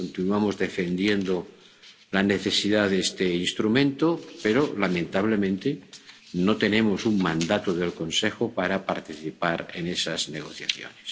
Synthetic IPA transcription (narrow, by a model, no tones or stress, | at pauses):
kont̪inuamozðe̞fe̞nd̪je̞nd̪o | lane̞θe̞siðaðest̪einst̪ɾumẽnt̪opeɾolamẽnt̪aβ̞lemẽnt̪e | not̪e̞ne̞mo̞suŋmãnd̪at̪oðe̞lko̞nsexopaɾapaɾt̪iθipaɾenesazneɣ̞o̞θja̰θjo̰nes